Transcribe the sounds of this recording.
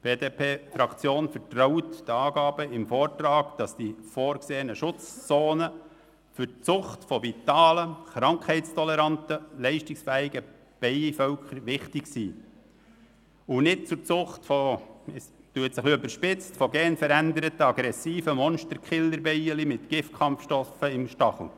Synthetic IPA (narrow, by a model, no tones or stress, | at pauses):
b̥eːdeːpʰeːfɾɑkt͡sjoːnfəɾtroʊtdɑːɡ̥ɑːb̥əɪmfɔːrtrɑːɡ̥d̥ɑsd̥ifoːɾkseːənəʃʊt͡st͡soːnə | fʏrt͡sʊχtfɔvitɑːləχɾɑŋkʰhɛɪtt͡stʰɔlɛɾɑntəlɛɪʃtɪksfæːɪɡə | b̥ɛɪifœwkʰχəɾʋɪχtɪksiː | ʊnɪt̚t͡sʊɾt͡sʊχtfɔɛstuətsɪχøbəɾʃpɪt͡stfɔɡɛːnfəɾændəɾətəɑɡɾɛsiːfəmɔnʃtəɾkχɪlːəɾbɛɪəlimɪtɡ̥ɪftkχɑmfʃtɔfəɪmʃtɑχl̩